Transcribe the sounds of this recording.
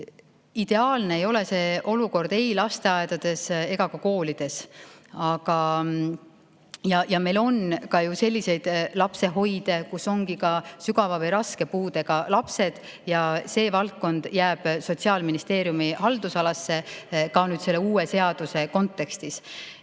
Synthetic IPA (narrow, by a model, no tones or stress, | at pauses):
id̪̥e̞ɑːlne̞ejo̞le̞se̞ːʔo̞luko̞rd̪̥e̞jlɑst̪e̞ɑe̞d̪̥ɑd̪̥e̞se̞ɡ̥ɑkɑko̞ːlid̪̥e̞sɑɡ̥ɑ | jɑjɑme̞jlo̞nkɑjuse̞lʲːise̞jd̪̥lɑpse̞ɦo̞jd̪̥e̞kuso̞ŋɡ̥ikɑsyɡ̥ɑvɑvɤjɾɑskepuːd̪e̞ɡ̥ɑlɑpse̞d̪̥ | jɑse̞ːvɑlk̚ːˑo̞nd̪̥jæːb̥so̞tʲsiɑːlminist̪e̞ːɾijumihɑld̪̥usɑlɑsːe̞kɑnyːd̪se̞lːeuːese̞ɑd̪̥use̞ko̞nt̪ˑːe̞kst̪is